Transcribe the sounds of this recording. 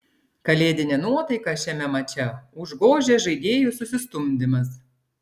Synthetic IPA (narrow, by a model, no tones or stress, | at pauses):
kɐlʲeːd̪ʲɪnʲenuɔt̪ɐɪkɑʃʲɛmʲɛmɐt͡ʃʲɛʊʒɡoːʒʲeːʒɐɪd̪ʲeːjʊsʊsʲɪst̪ʊmʲd̪ʲɪmɐs